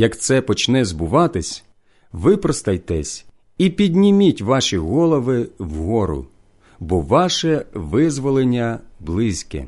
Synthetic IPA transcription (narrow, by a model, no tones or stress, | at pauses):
jɐkt̪sɛpɔt͡ʃnɛzbʊʋɑt̪ɪsʲ | ʋɪpɾɔst̪ɐjt̪ɛsʲ | ipʲidʲnʲimʲitʲʋɑʃiɣɔlˠɔʋɪwɦɔɾʊ̰ | bɔʋɑʃɛʋɪzʋɔlˠenʲːɐblˠɪsʲkɛ̰